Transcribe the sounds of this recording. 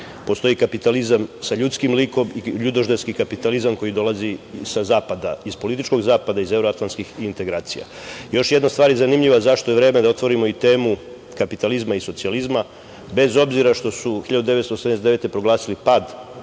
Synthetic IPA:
po̞st̪o̞jikapit̪alizamsaʎuːt̪skimliko̞miʎud̪oʒd̪eskikapit̪alizamko̞jid̪o̞lˠazisazaːpad̪a̰ispo̞lit̪it͡ʃko̞ɡzaːpad̪aize̞vɾoat̪lˠanskixint̪e̞ɡɾaːt̪sḭja̰ | jo̞ʃjed̪nost̪ʋaːɾjezanimʎiʋazaʃt̪o̞jeʋɾe̞ːme̞d̪ao̞t̪ʋo̞ɾimo̞it̪e̞ːmu | kapit̪alizmaiso̞t̪sializma | be̞zo̞bziɾaʃt̪o̞suxiʎad̪ud̪eet̪st̪osamd̪eset̪eʋet̪e̞pɾo̞ɡlaːsilipaːd̪

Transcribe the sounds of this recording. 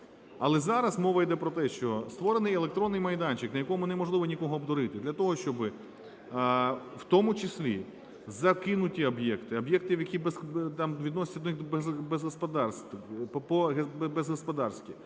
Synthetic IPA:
ɐlˠɛzɑɾɐsmɔʋɐjd̪ɛpɾɔt̪ɛʃt͡ʃɔst̪ʋɔɾenɪjelˠek̚t̪ɾɔnːɪjmɐjd̪ɑnʲt͡ʃɪknɐjɐkɔmʊnemɔʒlˠɪʋɐnʲikɔɦɔːbd̪ɔɾɪt̪ɪd̪lʲɐt̪ɔɦɔʃt͡ʃɔbɪ | wt̪ɔmʊt͡ʃɪsʲlʲḭ | zɐkɪnʊtʲiɔbjɛkt̪ɪɔbjɛk̚t̪ɪʋjɐkʲibest̪ɑmʋʲid̪nɔsʲɪ̥t͡sʲːɐd̪ɔnɪxbezbezɦɔspɔd̪ɑrsʲt̪pɔɦbbezɦɔspɔd̪ɑrsʲkʲi

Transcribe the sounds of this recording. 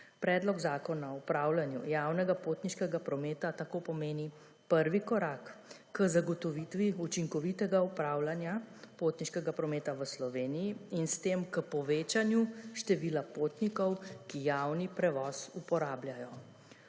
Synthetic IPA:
pɾɛːd̪lɔɡzaːkɔnaɔupɾaːwlanjṵjawnɛɡapot̪niʃkɛɡapɾɔmeːt̪at̪akoːpɔmeːni | pəɾʋikɔɾakː | əzaɡɔt̪ɔʋit̪ʋiut͡ʃiŋkɔʋit̪ɛɡaupɾaːwlanjapot̪niʃkɛɡapɾɔmeːt̪aʋəslɔʋeːnijiinst̪emkəpɔʋeːt͡ʃanjuʃt̪ɛʋilapoːt̪nikɔwkijawnipɾɛʋɔsupɔɾaːbljajɔ

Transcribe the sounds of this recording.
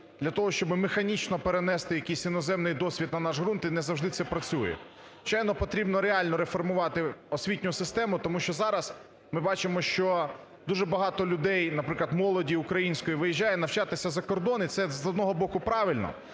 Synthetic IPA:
d̪lʲɐt̪ɔɦɔʃt͡ʃɔbɪmexɐnʲit͡ʃnɔpeɾenɛst̪ɪjɐkʲijsʲɪnɔzɛmnɪjd̪ɔsʲʋʲit̪nɐnɑʒɦɾunt̪inɛzɐwʒd̪ɪtsɛpɾɐt͡sʲujɛ̰ | ɪt͡ʃɑjnɔpɔt̪ɾʲibnɔɾeɑlʲnɔɾefɔrmʊʋɑt̪ɪɔsʲʋʲit̪ʲnʲʊsɪst̪ɛmʊt̪ɔmuʃt͡ʃɔzɑɾɐs | mɪbɑt͡ʃɪmɔʃt͡ʃɔ | d̪uʒɛbɐɦɑt̪ɔlʲʊd̪ɛjnɐpɾɪklˠɐd̪mɔlˠɔdʲiʊkɾɐjinʲsʲkɔjiʋɪjiʒːajɛnɐwt͡ʃɑt̪ɪsʲɐzɐkɔrd̪ɔnɪt̪sɛzɔd̪̚nɔɦɔbɔkʊpɾɑʋʲilʲnɔ̰

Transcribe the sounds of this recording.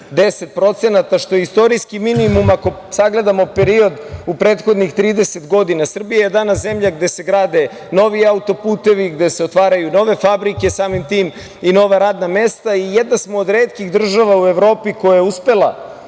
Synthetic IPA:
d̪e̞set̪̚pɾo̞t̪se̞nat̪aʃt̪o̞jeist̪o̞ɾijskiminimumako̞ | saɡle̞d̪amo̞pe̞ɾio̞d̪upɾeːt̪xo̞d̪nixt̪ɾiːd̪e̞set̪ɡo̞d̪inasr̩bijajed̪aːnaze̞mʎaɡd̪e̞se̞ɡɾaːd̪e̞ | no̞ʋiaut̪o̞puːt̪e̞ʋiɡd̪e̞seot̪ʋaːɾajuno̞ʋe̞fabɾike̞saːmimt̪iːm | ino̞ʋaɾaːd̪name̞st̪aijed̪nasmoːd̪ɾeːt̪kiɣd̪r̩ʒaʋaue̞ʋɾo̞ːpiko̞jajeuspe̞lˠa̰

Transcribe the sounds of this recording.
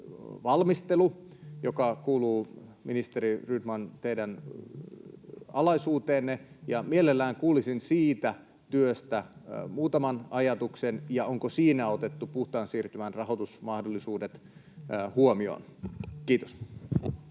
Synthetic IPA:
ʋɑlmist̪elujokɑkuːluːminist̪eɾiryt̪mɑnt̪eidæn | ɑlɑisuːt̪eːnːejɑmielelːæːŋkuːlisinsiːt̪æ | t̪yøst̪æmuːt̪ɑmɑnɑjɑt̪uksenjɑoŋkosiːnæot̪et̪ːupuht̪ɑːnsiːrt̪ymænrɑɦot̪usmɑhdolːisuːdet̪ | huomio̰ːnkiːt̪o̥s

